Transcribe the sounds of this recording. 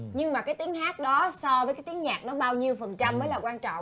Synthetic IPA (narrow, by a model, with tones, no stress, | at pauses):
ɲɨ˧ŋmaː˨˩kaː˨˦jt̪i˨˦əŋɦaː˦˥k̚ɗɔ˨˦sɔ˧vəː˨˦kaː˨˦jt̪i˨˦əŋɲaː˨˩k̚nɔ˨˦ɓaː˧wɲi˧əwfə˨˩nt͡ɕa˧mːəː˨˦jlaː˨˩kwaː˧nt͡ɕɔ̰˧˨wŋ͡m